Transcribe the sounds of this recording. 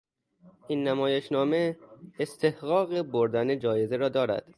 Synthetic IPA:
ʔinːæmɒːjeʃnɒːme̞ːst̪ʰe̞hɣɒːɣeboɾd̪æned͡ʒɒːje̞zeɾɒːd̪ɒːɾæ̰d̪̥

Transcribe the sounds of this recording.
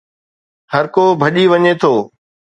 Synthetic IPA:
həɾkoːbʱəɗiːʋəɲeːt̪ʰoː

